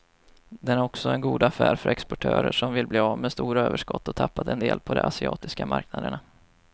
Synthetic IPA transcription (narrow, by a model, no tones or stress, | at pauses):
d̪ɛnæɾɔksɔɛnɡuːd̪afæːɾfœɾɛkspɔʈʰøːɾəʂɔmvɪlbliːɑvmɛst̪uːɾaøːvəʂkɔt̪ːɔt̪ʰapːat̪ɛnd̪eːlpʰɔd̪ɛ̰ʔasɪɑ̰ːt̪ɪskamaɾknad̪əɳa